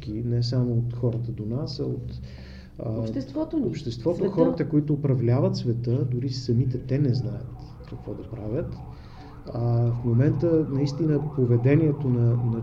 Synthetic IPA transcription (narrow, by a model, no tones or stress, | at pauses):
k̟inɛs̬amoot̪xɔɾət̪əd̪onasɐot̪ | ʃsvɔt̪opʃt̪ɛst̪vɔt̪oxɔɾət̪əkoit̪ʊːpɾɐvlʲavət̪svɛt̪əd̪ʊɾisɐmit̪ɛt̪ɛnɛznajə̰t̪ | kɐkvɔd̪ɐpɾavʲjət̪ | fmomɛnt̪ənɐist̪inəpovɛd̪ɛniɛt̪onɐnɐ